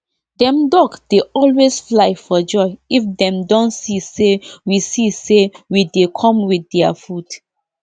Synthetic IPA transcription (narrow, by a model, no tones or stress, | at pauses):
dɛ̃mdɔɡd̥eʔɔlwesflaɪfɔd͡ʒɔɪifdɛ̃mdɔ̃nsisewisisewidekʰɔ̃mwiθɛafud